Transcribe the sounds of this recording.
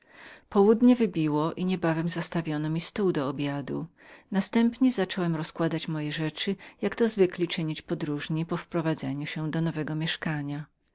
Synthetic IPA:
pɔwud̪ɲɛvɘbʲiwɔʔiɲɛbavɛmzast̪avʲjɔnɔmʲist̪uwd̪ɔːbʲjad̪ṵ | nast̪ɛmpɲɛzat͡ʂɔwɛmɾɔskwad̪at͡ɕmɔjɛʐɛt͡ʂɘjakt̪ɔzvɘklʲit͡ʂɘɲit͡ɕpɔd̪ɾuʐɲipɔfpɾɔvad̪zɛɲuɕɛd̪ɔnɔvɛɡɔmʲjɛʂkaɲa

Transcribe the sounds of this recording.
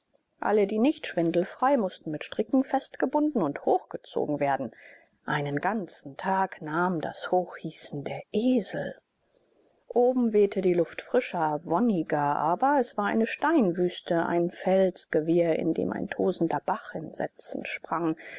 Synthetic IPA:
ʔa̰lədiːnɪçtʃv̥ɪndl̩fʁ̥aɪmʊstn̩mɪtʃtʁ̥ɪkŋ̩fɛstɡ̥əbʊndn̩ʊnthoːxɡ̥ət͡so̰ːɡŋ̩veːɐdn̩ | ʔaɪnənɡant͡sn̩tʰaːknaːmda̰shoːxhiːsn̩deːɐʔeːzl̩ | ʔoːbm̩vɛːtʰədiːlʊftfʁ̥ɪʃɐvɔnɪɡɐʔa̰ːbɐɛsv̥aːɐʔa̰ɪnəʃtaɪnvyːstəʔa̰ɪnfɛlsɡ̥əvɪɐɪ̰ndḛːmʔa̰ɪntʰoːzn̩dɐb̥aχɪnzɛ̰t͡sn̩ʃpʁ̥aŋ

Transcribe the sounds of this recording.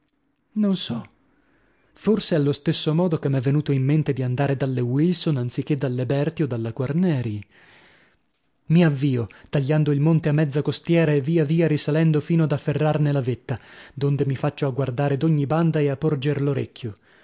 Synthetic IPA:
nonsɔ | forsealːost̪esːomɔːd̪okemːɛvːenuːt̪oimːent̪ed̪iand̪aːɾed̪alːewilsonant̪sik̟ːed̪ːalːebɛrt̪iod̪alːakwarnɛːɾji | miavːiːot̪aʎːand̪oilmont̪eamːɛd̪zːakost̪jɛːɾaevːiːaviːaɾisalɛnd̪ofiːnoad̪afːerːarnelavet̪ːad̪ond̪emifat͡ʃːoaɡward̪aːɾed̪oɲːiband̪aeapːord͡ʒerloɾḛkːjo

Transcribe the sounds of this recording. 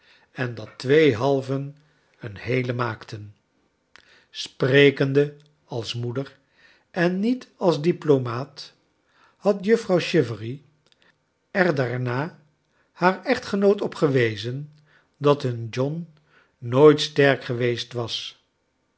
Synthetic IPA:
ɛndɑtʋejɦɑlˠvən | ənhejləmaːktən | sprejkəndə | ɑlˠsmudər | ʔɛnːitɑlˠzdiplomaːt | hɑtjɵfrɑwʃɪvəri | ɛɹdaːɹnaː | haːɹɛχtχənowtɔpχəʋejzən | dɑtɦənd͡ʒɔnː | oːjtstɛɹkχəʋejstʋɑs

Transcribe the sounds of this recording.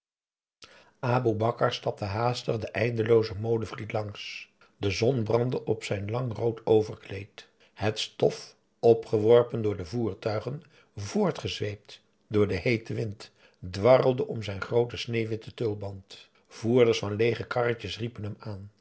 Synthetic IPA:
aːbubɑkəɹstɑp̚təɦaːstəχdəʔɛjndəlowzəmowdəvlitlɑŋs | dəzɔnbrɑndəʔɔpsɛjnlɑŋrowtowvəɹklejt | hətstɔf | ɔpχəʋɔɹpəndʊːɹdəvuːɹtœɥχən | vʊːɹtχəzʋejp̚t | dʊːɹdəɦejtəʋɪnt | dʋɑrəlˠdəʔɔmzɛjnχrowtəsnejʋɪtətɵlˠbɑnt | v̥uːɹdəɹsfɑnlejχəkɑrtəsripənɦəmaːn

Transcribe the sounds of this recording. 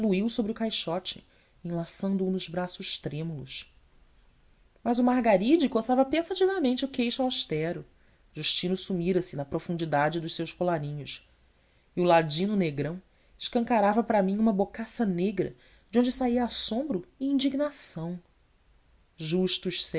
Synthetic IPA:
luiwsobɾɪʊkajʃɔt͡ʃɪ̰ | ẽlasɐ̃nd̪ʊːnʊʒbɾasʊʃt̪ɾẽmulʊʃ | mɐzʊmaɦɡaɾid͡ʒɪkosavɐpẽsat͡ʃivɐmẽnt͡ʃɪukejʃaʃt̪ɛɾʊ | ʒuʃt͡ʃĩnʊsumiɾɐsɪnɐpɾofũnd͡ʒid̪ad͡ʒɪd̪ʊʃsewʃkolaɾĩɲʊʃ | iulad͡ʒĩnʊneɡɾɐ̃w̃ | ɪʃkɐ̃ŋkaɾavɐpɾɐmĩɲũmɐbokasɐneɡɾɐ̰ | d͡ʒɪõd͡ʒɪsaiɐasõmbɾʊɪĩnd͡ʒiɡnasɐ̃w̃ | ʒuʃt̪uʃs

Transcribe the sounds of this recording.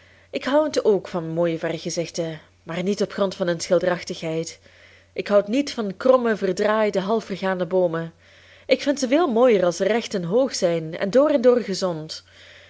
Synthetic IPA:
ɪkɦʌwətoːkfɑnmoːjəvɛrxəzɪxtə | maːrnitɔpχrɔntfɑnənsxɪlˠdərɑxtəxɦɛjt | ɪkɦʌwtnitfɑnkrɔməvərdraːjdəɦɑlˠfərɣaːndəboːmə | ɪkfɪntzəveːlˠmoːjərɑlˠsərɛxtənɦoːxsɛjnɛ̰ndoːrɛndoːrɣəzɔnt

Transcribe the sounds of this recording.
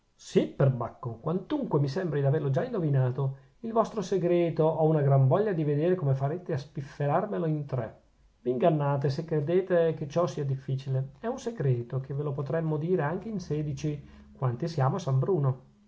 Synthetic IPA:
siperbakːokwant̪uŋkwemisɛmbɾid̪averlod͡ʒaind̪ovinaːt̪o | ilvɔst̪ɾoseɡɾɛːt̪oʔɔunaɡɾaɱvɔʎːad̪ived̪eːɾekomefaɾeːt̪easpifːeɾarmeloint̪ɾɛ | viːŋɡanːaːt̪̬esekːɾed̪eːt̪eket͡ʃɔsiːad̪ifːiːt͡ʃileɛunseɡɾɛːt̪ok̟ʰevelopot̪ɾɛmːod̪iːɾeaŋk̟einsɛːd̪it͡ʃi | kwant̪isjaːmoasambɾuːno

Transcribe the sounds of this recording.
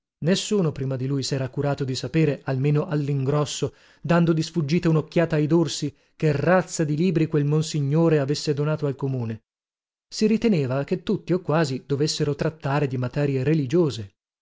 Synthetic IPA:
nesːuːnopɾiːmad̪ilujsɛːɾakuɾaːt̪od̪isapeːɾealmeːnoʔalːiŋɡɾɔsːo | d̪and̪od̪isfud͡ʒːiːt̪eunokːjaːt̪aːjd̪orsi | kerat̪sːad̪iliːbɾikwelmonsiɲːoːɾeavesːed̪onaːt̪oalkomuːne | siɾit̪eneːvaket̪ːut̪ːiokːwaːzid̪̥ovesːeɾot̪ɾat̪ːaːɾed̪imat̪ɛːɾjeɾelid͡ʒoːze

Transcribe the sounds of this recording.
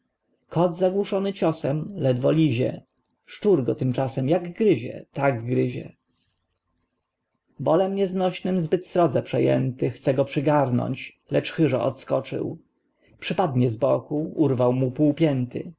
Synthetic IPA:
kɔd̪zaɡwuʂɔnɘt͡ɕɔsɛmlɛd̪vɔlʲiʑɛ̰ | ʂt͡ʂuɾɡɔt̪ɘmt͡ʂasɛmjaɡɡɾɘʑɛ̰t̪aɡːɾɘʑɛ̰ | bɔlɛmɲɛznɔɕnɘmzbɘt̪sɾɔd̪zɛpʂɛjɛ̰nt̪ɘxt̪sɛɡɔpʂɘɡaɾnɔ̰ɲt͡ɕ | lɛt͡ʂxɘʐɔ̰ʔɔ̰t̪skɔt͡ʂɘ̰w | pʂɘpad̪ɲɛzbɔkuuɾvawmupuwpʲjɛnt̪ɘ̰

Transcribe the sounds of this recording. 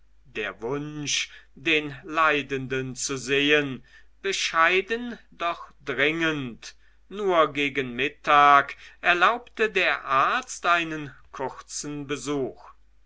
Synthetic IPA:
d̥eːɐvʊnʃd̥eːnlaɪdəndənt͡suzeːən | b̥əʃaɪdənd̥ɔχd̥ʁɪŋənt | nuːɐɡeːɡənmɪtʰaːkʔɛɐlaʊptədeːɐʔaɐt͡stʔaɪnənkʰʊʁt͡sn̩bəzuːx

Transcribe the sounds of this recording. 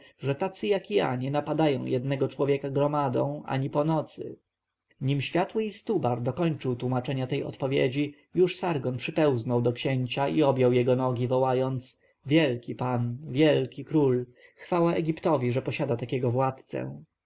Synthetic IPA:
ʐɛt̪at̪sɘjakja̰ɲɛnapad̪ajɔ̰̃w̃jɛd̪nɛɡɔt͡ʂwɔvʲjɛkaɡɾɔmad̪ɔ̰̃w̃ʔa̰ɲipɔnɔt̪sɘ̰ | ɲimɕfʲjat̪wɘist̪ubaɾd̪ɔkɔɲt͡ʂɘwt̪wumat͡ʂɛɲat̪ɛjɔ̰t̪pɔvʲjɛ̰d͡ʑi | juʂsaɾɡɔnpʂɘpɛw̃znɔwd̪ɔkɕɛɲt͡ɕaʔiɔbʲjɔwjɛɡɔnɔɡʲivɔwajɔnt̪s | vʲjɛlkʲipanvʲjɛlkʲikɾul | xfawaɛɡʲipt̪ɔvʲiʐɛpɔɕad̪at̪akʲɛɡɔvwat̪t̪sɛ̰

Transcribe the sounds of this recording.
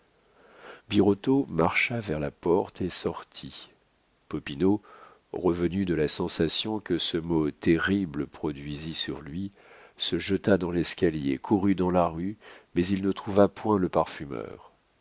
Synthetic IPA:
biʁɔt̪omaʁʃavɛʁlapɔʁt̪ʰesɔʁt̪ʰi | pɔpino | ʁəvənyd̪əlasɑ̃sasjɔ̃kəsəmot̪eʁibləpχɔd̪ɥizisyʁlɥi | səʒət̪ad̪ɑ̃lɛskʲaljḛkʰuʁyd̪ɑ̃laʁymɛzilnət̪χuvapwɛ̃ləpaʁfymœ̰ːʁ

